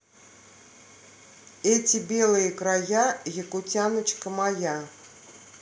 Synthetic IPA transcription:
ɛtʲɪbʲelˠɨjəkrajajəkʊtʲanət͡ɕkəmaja

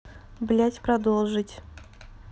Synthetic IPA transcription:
blʲætʲpɾɐd̪olˠʐɨtʲ

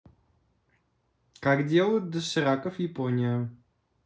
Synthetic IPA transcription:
kaɡdʲɛlˠət̪̚d̪əsɨɾakəfjɪpɔnʲijə

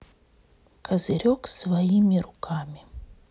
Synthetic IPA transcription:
kʰazɪɾʲoksvajimʲiɾukʰamʲi

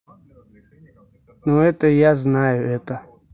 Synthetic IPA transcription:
noɛt̪əjaznajʊʔɛt̪ə

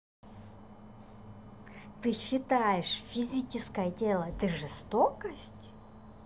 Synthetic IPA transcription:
t̪ɨɕɪt̪ajɪʂfʲizʲit͡ɕɪskəjətʲelˠəd̪ɨʐɨst̪okəsʲtʲ

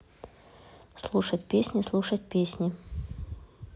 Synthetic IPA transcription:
slˠuʂətʲpʲesʲnʲɪslˠuʂət̚ʲpʲesʲnʲɪ

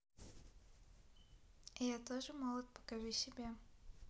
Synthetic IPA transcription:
ɪjat̪oʐɨmɔlˠɐt̪̚pɐ̥kɐvʲisʲɪbʲe

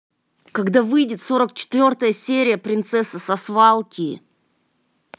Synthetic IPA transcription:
kɐɡd̪avɨjdʲɪt̪so̞ɾəkt͡ɕɪ̥t̪vʲo̞rt̪əjəsʲeɾʲɪjəpɾʲɪnt̪sɛsːəsɐsvalˠkʲʰi

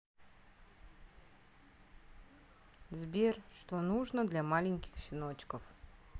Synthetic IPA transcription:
zbʲiɾʃt̪ɔnuʒnɔd̪lʲamalʲiŋʲki̥xʃinɔt͡ʃkɔf

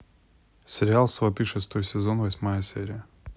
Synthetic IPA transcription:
sʲɪɾʲɪalˠsvɐt̪ɨʂɨst̪o̞jsʲɪzo̞nvɐsʲmajəsʲḛɾʲɪjə

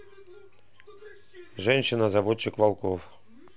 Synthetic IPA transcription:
ʐɛnʲɕɪnɐzɐʋot͡ʃːɪkvalˠkof

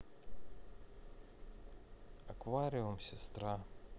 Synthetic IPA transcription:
akvaɾʲiomsʲɪst̪ɾa

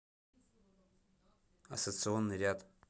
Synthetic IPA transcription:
a̰sot̪sɨo̞nːɨrʲad̪

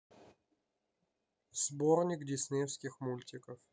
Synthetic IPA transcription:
z̥bornʲɪkdʲɪsʲnʲejfskʲɪxmulʲtʲɪkəf

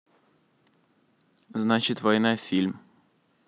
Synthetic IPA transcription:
znat͡ɕɪt̪vɐjnafʲilʲm

